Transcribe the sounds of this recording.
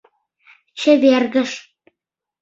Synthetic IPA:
t͡ɕə̆βerɣə̆ʃ

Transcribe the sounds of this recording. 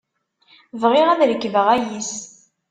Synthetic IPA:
vʁɪʁæðɾəkːvəʁæjis

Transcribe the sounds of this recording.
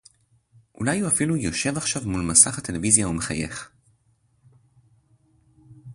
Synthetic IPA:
ʔṵlajuafilujo̞ʃe̞vaχʃavmulmasaχat̪e̞le̞vizjaumeχaje̞̰χ

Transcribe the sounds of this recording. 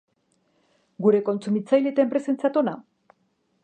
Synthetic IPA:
ɡuɾe̞ko̞nt͡sumit͡sajlet̪empɾe̞se̞nt͡sat̪ona

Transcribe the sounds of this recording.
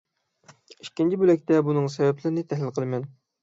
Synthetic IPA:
iʃkʲːint͡ʃʰibølɛk̚ʲt̪ɛbunɨŋs̬ɛvɛplɪɾɪnɪt̪ʰɛɦlɪlqʰəlˠɨmɛn

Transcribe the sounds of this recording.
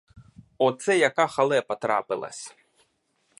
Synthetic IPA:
ɔt̪sɛjakaxalˠɛpɐt̪ɾa̰pɪlˠɐ̰sʲ

